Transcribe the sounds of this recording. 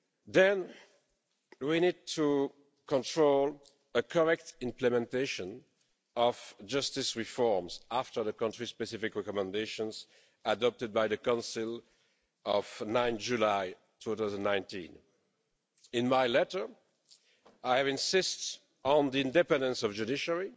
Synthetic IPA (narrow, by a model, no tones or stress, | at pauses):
ðɛ̃n | winid̚tʰu | kɔ̃ntʰɹ̥ol | əkʰɔɹɛk̚tɪ̃mplɛmɛ̃nteɪʃə̃n | ɔv̥d͡ʒʌstɪsɹifɔɹmzaftə˞ðəkʌ̃ntɹ̥ispɛsifɪkɹɛkɔmɛ̃ndeɪʃɔ̃nz | adɔp̚tɨd̚bajðəkãnsɪl | ɔv̥nãɪ̃nd͡ʒulaj | tʰuθaʊzə̃nnãɪ̃ntḭ̃n | ɪ̃nmaɪlɛɾə˞ | aɪɛvɪ̃nsɪst | n̩ðiɪ̃ndɛpɛ̃ndə̃nsɔvd͡ʒudɪʃəɹi